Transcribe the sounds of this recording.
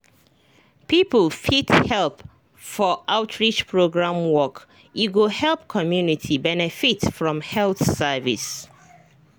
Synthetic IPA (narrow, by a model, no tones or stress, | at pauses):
pipəlfithɛlp | fɔʔaʊtʰɹit͡ʃpʰɹoɡɹãmwɔk | iɡohɛlp̚kʰɔmjunitʰibɛnɛfitfɹɔ̃mhɛlθsɛvḭs